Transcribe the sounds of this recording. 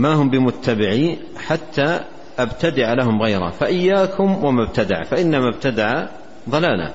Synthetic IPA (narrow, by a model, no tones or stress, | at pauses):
maːhʊmbɪmʊt̪ːabɪʕiːn | ħat̪ʰːaː | ʔabt̪ad̪ɪʕalaɦʊmɣajɾˤa̰faʔɪjːaːkʰʊmwamab̚t̪ad̪aʕfaʔɪnːamab̚t̪ad̪aʕa | ðˤɑlaːla̰